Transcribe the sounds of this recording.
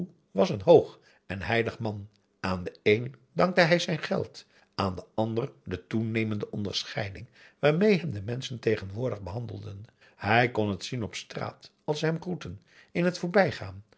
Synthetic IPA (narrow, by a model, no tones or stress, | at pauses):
ʋɑsənɦowχ | ɛnɦɛjləχmɑn | ʔaːndəejndɑŋk̚təɦɛjzɛjnχɛ̰lˠt | ʔaːndəʔɑndərdətunejməndəʔɔndə̰ɹsχɛjdɪŋ | ʋaːɹmejɦɛmdəmɛnsəntejχənʋʊːɹdəχbəɦɑndəlˠdən | hɛjkɔnɦətsinɔpstra̰ːtɑlˠsəɦɛmχrutən | ɪnɦətfoːɹbɛjχaːn